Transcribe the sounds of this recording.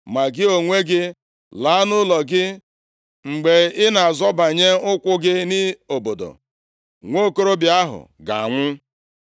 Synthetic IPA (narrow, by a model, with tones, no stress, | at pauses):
ma˨ɡɪ˦o˨ŋʷe˦ɡɪ˦ | la˨˦nʊ˦lɔ˨ɡɪ˦ | ŋ͡m̩˨ɡ͡be˨ɪ˦na˨zɔ˦ba˨ɲe˦ʊ˦kʷʊ˦ɡɪ˦nɪ˦o˨bo˨do̰˨ | ŋʷo˦˨ko˦ɾo˦bɪ˨a˦ɦʊ̰˨ɡa̰˨a˨ŋʷʊ˦